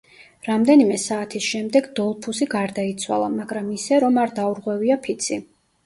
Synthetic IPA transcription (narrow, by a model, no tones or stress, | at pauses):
ɾamd̪ɛnimɛsaːt̪ʰisʃɛmd̪ɛɡd̪ɔlˠpʰusiɡaɾd̪ait̪sʰwa̰lˠa̰maɡɾamisɛɾɔmaɾd̪auɾʁwɛviapʰit̪sʰi